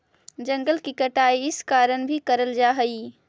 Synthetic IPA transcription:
d͡ʒɐ̃ŋɡəlkikɐʈaːiɪskaːɾəñbʱikɐɾəld͡ʒaːɦɐiː

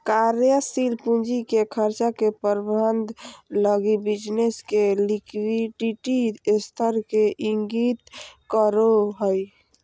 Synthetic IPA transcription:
kaɾjəsilpund͡ʒikekʰəɾt͡ʃakepəɾbənd̪ʱləɡibid͡ʒneskelikwiɖiʈist̪ʰəɾkeʔiŋɡit̪kəɾoɦəj

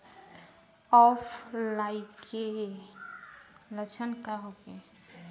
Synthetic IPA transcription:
ɔpʰlaike | lət͡ʃʰənkaɦoke

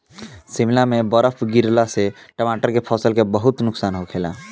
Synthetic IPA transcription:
simlamebəɾəpʰɡiɾlase | ʈəmaʈəɾkepʰɔsəlkebəɦut̪nʊksanɦokʰela̰

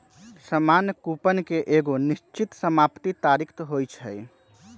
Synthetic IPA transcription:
səmaːnjkupənkeʔeɡoniʃt͡ʃit̪səmaːpt̪it̪aːɾikʰt̪ɦojt͡ʃʰə̰j

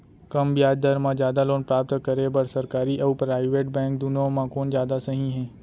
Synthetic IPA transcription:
kɐmbjaːd͡ʒd̪əɾmãd͡ʒjaːd̪aloːnpɾaːp̚t̪kəɾebɐɾsɐɾkaːɾiʔɔːpɾaːɪʋeːʈ̚bɛ̃ːŋk̚d̪uːnomãkoːnd͡ʒjaːd̪asɐɦĩɦɛ̃ː

